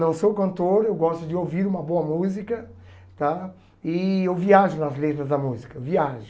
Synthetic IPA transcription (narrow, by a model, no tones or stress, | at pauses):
nɐ̃w̃sowkɐ̃nt̪oɾewɡɔst̪ʊd͡ʒɪowviɾũmɐboɐmuzikɐ | t̪a | ɪewviaʒʊnɐzlet̪ɾɐzd̪ɐmuzikɐviaʒʊ